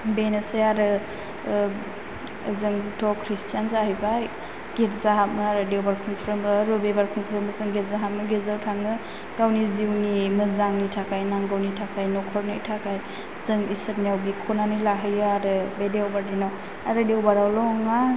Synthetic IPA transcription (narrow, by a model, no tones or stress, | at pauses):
benesɯjaɾɯ | zɯŋtɔkʰɾistʰijanzaɦɯjbaj | ɡ̥eɾzaɦap̚mɯaɾɯdewbaɾkʰuŋpʰɾɯmbɯːɾɯbebaɾkʰuŋpʰɾɯmbɯzɯŋɡeɾzaɦat̚mɯɡezawtʰaŋɯ | ɡ̥awniziwnimɯzaŋnitʰakajnaŋɡawnitʰakʰajnɔkʰɔɾnɯ̰tʰakʰaj | zɯŋisɯt̚nijawbikʰɔnanijlaɦɯjaɾɯbedewbaɾdinɔ | aɾɯdewbaɾawlɔŋa